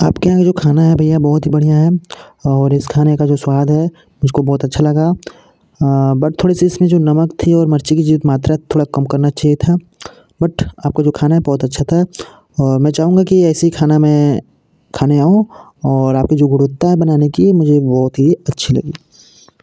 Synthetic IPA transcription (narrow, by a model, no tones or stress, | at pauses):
aːpkeãkd͡ʒoːkʰaːnaɦɛbʱɐjabɔːt̪ɦibɐɽ̤ijaɦɛɔːɾɪskʰaːnekad͡ʒoːswaːd̪ʱɦɛ | mʊd͡ʒʱkobɔːt̪ɐtːʃʰalɐɡa | bɐʈ̚t̪ʰoːɽisiɪsmẽd͡ʒoːnɐməkt̪ʰiɔːɾmɐɾt͡ʃikid͡ʒiːʋət̪maːt̪ɾat̪ʰːoːɽakɐmkɐɾnat͡ʃaːɦijet̪ʰa | bɐʈʰaːp̚kad͡ʒoːkʰaːnaɦɛbɔːt̪ɐtːʃʰat̪ʰa | ɔːɾmɛ̃t͡ʃaːɦũːŋɡakiɛːsiikʰaːnamɛ̃ | kʰaːneaːũ | ɔːɾaːp̚kid͡ʒoːɡʊɽʊt̪ːaɦɛbɐnaːnekimʊd͡ʒʱebɔːt̪ɦiɐtːʃʰilɐ̰ɡiː